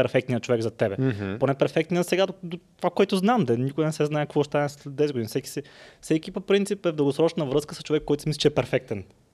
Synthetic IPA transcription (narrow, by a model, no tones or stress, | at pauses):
ɛɾfɛk̚t̪nijət̪̚t͡ʃovɛɡzɐt̪ɛbɛponɛpɛɾfɛk̚t̪nijəsɛɡad̪od̪ot̪ovakoɛt̪ʊznamd̪ɛnikʊinɛsɛznaɛkɐkvɔʃt̪anɛsɛd̪ɛzɡod̪inifsɛki̥sɛfsɛkipopɾint̪sipɛvd̪əlˠɡosɾɔt͡ʃnəvɾɤskəsə̥st͡ʃovɛkːɔjt̪ʊsmislit͡ʃɛɛpɛɾfɛk̚t̪ɛn